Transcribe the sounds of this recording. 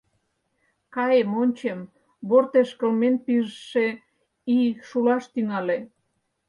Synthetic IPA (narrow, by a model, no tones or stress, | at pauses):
kɑjemonʲt͡ɕem | βort̪eʃkə̆lmenpiʒəʃe | iʃulɑʃt̪yŋɑle